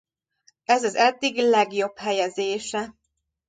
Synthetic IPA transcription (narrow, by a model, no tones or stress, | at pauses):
ɛzɒzɛd̪ːiɡlɛɡjo̞bhɛjɛzeːʃɛ